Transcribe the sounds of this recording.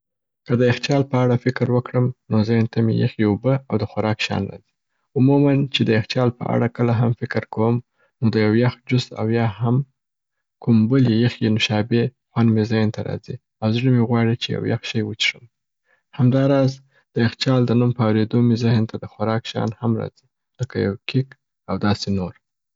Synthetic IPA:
kəd̪əɪxt̪jɑlpəaɽafɪkɾwəkɽəmnozəjnt̪amḛjə̰xeobəawd̪əxaɾɑkʃɑ̰nɾɑ̰zi̥ | ʊmumant͡ʃed̪əɪxt̪jɑlpə̰ʔa̰ɽakəlaɦamfɪkɾkawəm | nod̪əjawjaxd͡ʒʊsa̰wjɑham | kʊmbəlejəxjenʊʃɑbexwanmezəjnt̪ʰaɾɑ̰zi | awzɽəmeɣwɑɽit͡ʃeja̰wja̰xʃəjwət͡ʃʂəm | hamd̪ɑɾɑz | d̪əɪxt̪jɑld̪ənumpɑwɾed̪omizɪhnt̪ʰad̪əxaɾɑkʃɑ̰nhamɾɑ̰zi | ləkajawkɪk | awd̪ɑsenoɾ

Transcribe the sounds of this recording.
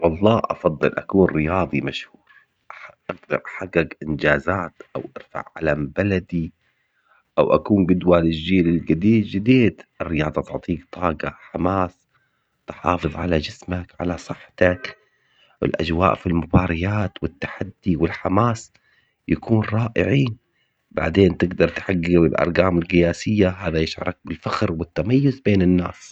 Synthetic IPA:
wɑlˤːɑːʔɑ̰fɑd̪ˤːɨ̰lʔa̰kuːnɾɪjɑːðˤimaʃhuːɾ | ʔaʔɪt̪d̪ˤɨ̰ɾʔḁħaɡːakʔɪnd͡ʒaːzaːt̪ʔa̰wʔɪɾfa̰ʕʕa̰lambalad̪i | ʔawʔa̰kuːnɡʊd̪walɪʒːiːlɪlɡad̪iːld͡ʒɪd̪iːd̪ʔɪrːɪjɑːd̪ˤɑt̪ɪʕt̪ˤiːkt̪ˤɑːɡaħamaːs | t̪ħɑːfɨðˤʕa̰lad͡ʒɪsmakʕa̰lasˤɨħːt̪ak | wɪ̰lʔa̰d͡ʒwa̰ːʔfilmʊbaːɾˤɪjaːt̪wɪt̪ːḁħad̪ːiwɪlħamaːs | jakuːnɾˤɑːʔɪʕiːn | ba̰ʕd̪eːnt̪ɪɡd̪ɑɾˤt̪ħaɡːɪɡɪlʔɑ̰ɾˤɡaːmɪlqɪjaːsɪjːaɦaːðajɪʃʕɑ̰ɾˤɑk̚bɪlfaxɾwɪt̪ːamajːʊzbeːnɪnːa̰ːs

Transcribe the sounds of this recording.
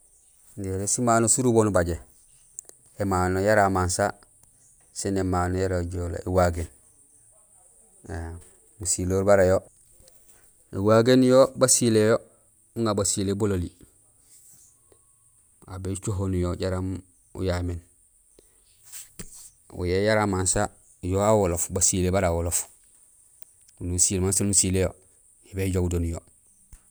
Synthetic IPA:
ndeɾesimaːnosuɾubonubaɟe | emaːnojaɾamansa | senemaːnojaɾaɟola̰ḛwaɡen | e | musiloɾbaɾajo | ewaɡenjobasilejo | uŋabasilebololi | a̰bet͡ʃoɦonjoɟaɾam | ṵjamen | ṵjejaɾamansa | joawolofbasilebaɾawolof | unusilmansanusilejo | ibeɟoɡdonjo

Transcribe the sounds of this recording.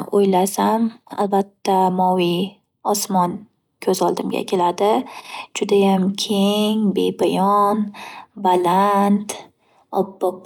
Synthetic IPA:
ojlasama̰lbat̪ʰːamɒwi | ɒsmɒn | kʲʰɵzɒlˠd̪ɪmɡʲa̰kʲʰe̞lad̪ɪd͡ʒʊd̪ajamkʲʰeŋbe̞̰bajɒnvalant̪ | ɒpːɒp

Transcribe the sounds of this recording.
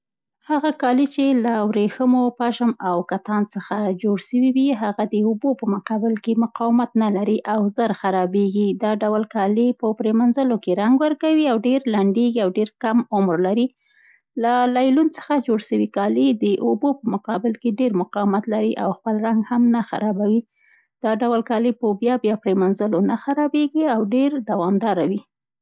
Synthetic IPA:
haɣakɑlit͡ʃelawɾexəmopaʒəmawkat̪ɑnt͡səxad͡ʒoɽʃəwiwiɦaɣad̪əobopəmʊqɑbɪlkemʊqɑwɪmat̪nalaɾiʔawzəɾxaɾɑbeɡid̪ɑɖawlkɑlipəpɾemanzəlokeɾaŋɡwəɾkawiawɖeɾlaɳɖeɡiawɖeɾkamʊmɾlaɾi | lalɑjlunt͡sə̥xad͡ʒoɽʃəwikɑlid̪əʔobopəmʊqɑbɪlkeɖeɾmʊqɑwɪmat̪laɾiʔa̰wxpəlɾaŋɡhamnaxa̰ɾɑbawi | d̪̥ɑɖawlkɑlipəbjɑbjɑpɾemanzəlonaxaɾɑbeɡiawɖeɾd̪awɑmd̪ɑɾawi

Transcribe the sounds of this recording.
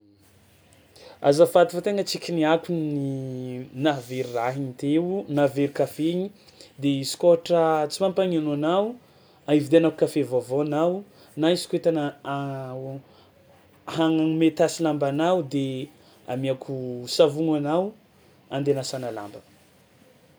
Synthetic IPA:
a̰zafat̪i̥fat̪eŋət͡sikʲiniakuni | naveɾiraɦiɲit̪eunaveɾikafeɲi | d̪eisi̥koʈ͡ʂət͡simampaɲanuanaw | aivid̪eanakukafevovoanaw | naisi̥kuet̪anaa | ɦaŋaŋmet̪asilambanawd̪e | a̰miakʰusavuŋanaw | and̪enasanala̰mbə

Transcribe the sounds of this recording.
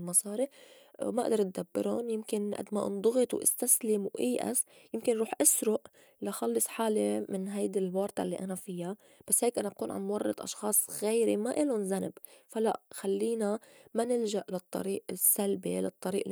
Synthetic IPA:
lmɑsˤɑːɾɪ | wmaʔɪʔd̪ɑɾˤt̪̚d̪abːɪɾʊnjɪmkɪnʔa̰d̪maʔʊ̰nd̪ˤʊɣɨt̪wʔɪ̰st̪aslɪmwʔiːʔa̰s | jɪmkɪnɾuːħʔasɾʊʔ | laxɑlːɨsˤħaːlemɪnɦajd̪ilwɑɾˤt̪ˤɑlːiʔanafɪja | b̥asːheːkʔanab̚kuːlʕa̰nmwɑrˤːɑt̪ˤʔɑ̰ʃxɑːsˤɣeːɾimaʔɪlʊnzanɪbfalaʔxalːiːnamanɪlʒaʔlat̪ˤːɑ̰ɾiːʔsːalbelɑt̪ˤːɑɾiːʔ

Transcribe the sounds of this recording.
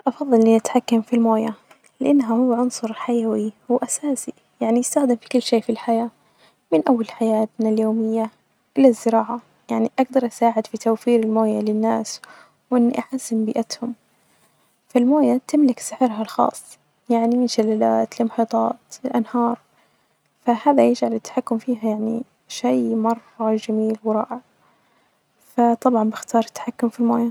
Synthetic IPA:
ʔɑfɑðˤːɑlːinɪt̪ħakːamfilmoːja | lɪʔanːɦahʊwːʕʊnsˤʊɾˤħajawiwʔasaːsi | jaʕnijɪst̪axd̪ɪmfi̥kʊlːʃeːfilħajaː | mɪnʔawːalħajaːt̪naljoːmɪjːa | ʔɪlazːɪɾɑːʕa | jaʕniʔaɡ̚d̪ɑɾˤʔasaːʕɪd̪fit̪awfiːɾɪlmoːjalɪnːaːs | wʔɪnːiʔaħazːɪmbḭːʔat̪hʊm | falmoːjat̪ɪmlɪksɪħɾɦalxɑ̰ːsˤː | jaʕniɪʒalːalaːt̪lɪmʊħiːt̪ˤɑːt̪ɪlʔanhɑːɾˤ | fahaːðajɪd͡ʒʕalɪt̪ːḁħakːʊmfiːɦajaʕni | ʃajmɑrˤfɑʕd͡ʒamiːlwɾˤɑ̰ːʔɪʕ | fat̪ˤɑbʕɑnbɪxt̪ɑːɾˤɪt̪ːḁħakːʊmfilmoːja

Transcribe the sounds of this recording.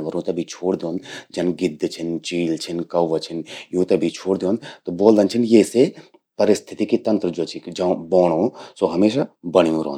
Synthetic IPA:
ʋɐɾũːt̪ɐbʱit͡ʃʰoːɽd̪õːnd̪d͡ʒɐnɡɪd̪ʱːt͡ʃʰint͡ʃiːlt͡ʃʰinkɐʋat͡ʃʰinjũːt̪ɐbʱit͡ʃʰoːɽd̪eõːnd̪t̪oboːld̪ɐnt͡ʃʰinjese | pɐɾɪst̪ʰɪt̪ikit̪ɐ̃nt̪ɾəd͡ʒot͡ʃʰikd͡ʒãbɔːɽ̃õsoɦɐmeːʃabɐɽ̃ijũɾɐ̰ɦn

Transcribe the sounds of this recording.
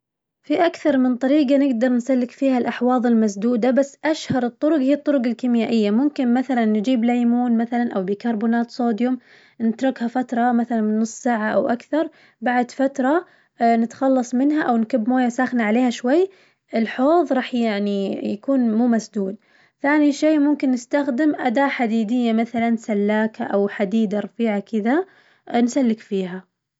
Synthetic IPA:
fiʔakθɑɾˤmɪnt̪ˤɑɾiːɡanɪɡd̪ɑɾˤnsalːɪkfiːhalʔaħwɑːðˤɪlmasd̪uːd̪abasːʔaʃhɑɾˤɨt̪ˤːʊɾʊɡhiːt̪ˤːʊɾʊɡɪlkimjaːʔɪjːamʊmkɪnmaθalanːɪd͡ʒiːblaːjmuːnmaθalanʔawbikɑɾˤbuːnɑːt̪sˤoːd̪jʊm | nɪt̪ɾˤʊkhafat̪ɾˤɑmaθalanmɪnːɨsˤːsaːʕaʔa̰wʔakθɑɾˤ | baʕd̪fat̪ɾˤɑ | nɪt̪xɑlːɑsˤmɪnɦaʔawnkɪbːmoːjasaːxnaʕaleːhaʃwajː | ʔɪlħoːðˤɾˤɑːħjaʕnijakuːnmuːmasd̪uːd̪ | θaːniʃeːmʊmkɪnːɪst̪axd̪ɪmʔad̪aːʔħad̪iːd̪ɪjːamaθalansalːaːkaʔawħad̪iːd̪aɾˤɑfiːʕakɪða | nsalːɪkfiːɦa

